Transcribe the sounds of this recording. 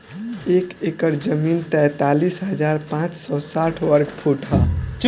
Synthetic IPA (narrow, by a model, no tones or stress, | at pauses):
ekekəɾd͡ʒəmint̪ɛt̪alisɦəd͡ʒaɾpãt͡ʃsɔsaʈʰwəɾɡpʰuʈɦa